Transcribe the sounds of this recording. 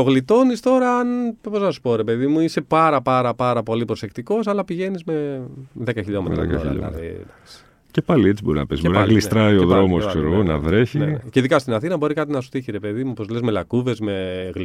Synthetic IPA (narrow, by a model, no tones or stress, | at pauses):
oɣlit̪o̞nist̪o̞ɾɐɐnpoznɐsu̥po̞ɾe̞pe̞ðimuise̞pɐɾɐpɐɾɐpɐɾɐpo̞lipɾose̞kt̪iko̞sɐlɐpiʝe̞nizme̞ðekɐçiʎomeðḛkɐ̰çḭʎo̰m̰t̪d̪ɐksi̥ | ce̞pɐliet͡sibo̞ɾinɐ̰pesboɾinɐɣlist̪ɾɐioðɾo̞mosskkseɾoɣonɐ̰vɾe̞çieceiðikɐst̪inɐθinɐbo̞ɾikɐt̪inɐsu̥t̪içiɾe̞pe̞ðimupo̞zlezme̞lɐkuve̞zme̞ɣl